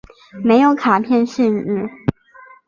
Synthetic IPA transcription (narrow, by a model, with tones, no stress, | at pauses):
me˧˥ɪjo˧˥ʊkʰa˨˩pʰjɛ˥˧nʂi˥˧n̩˥˩